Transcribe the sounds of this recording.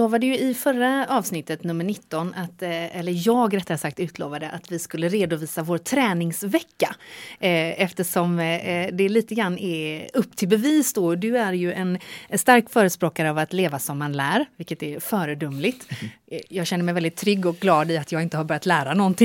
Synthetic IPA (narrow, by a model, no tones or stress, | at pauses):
oːvaɖɛjɵɪfœɾːaɑːvsnɪt̪ːət̪nɵmːəɳɪt̪ːɔnat̪ɛlːəɾjɑːɡɾɛt̪ːahasak̚t̪ʉ̟ːt̪lo̰ːvad̪əʔat̪vɪskɵlːəɾeːd̪ʊviːsavoːɾt̪ʰɾɛːnɪŋsvɛkːa | ɛft̪əʂɔmd̪ɛliːt̪əɡɾanːɛɵpːt̪ʰɪlbɛviːsd̪ɔd̪ɵæɾjɵʔɛnst̪aɾkfœːɾəspɾoːkaɾəavat̪leːvasɔmːanlæːɾvɪkːət̪ɛɾfœːɾəd̪ɵmːlɪt̪jɑːɡɕɛnːəmɛjvɛlɪt̪ʰːɾʏɡːɔk̚ɡlɑːd̪ɪat̪jɑːɡɪnt̪əhaɾbœɾjat̪læːɾanɔnt̪ʰɪŋ